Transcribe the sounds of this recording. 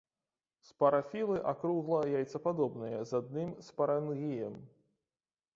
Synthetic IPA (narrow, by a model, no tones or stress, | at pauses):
spɐɾafʲilˠɨʔakɾuɣlˠɐjajt̪sɐpad̪ɔbnɨjɐzad̪̚nɨmspɐɾanɣʲijɐm